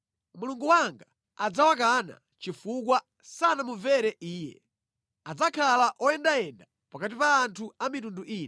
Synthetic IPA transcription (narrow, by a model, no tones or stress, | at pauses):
muluŋɡuwaŋɡa | ad͡zawak̬ana̰ | t͡ʃifuk̬wa | sanamuvɛɾɛʔiːjɛ̰ | ad͡zakʰalaʔɔjɛndajɛnda | pakat̬ipaːntʰuamitunduʔiːn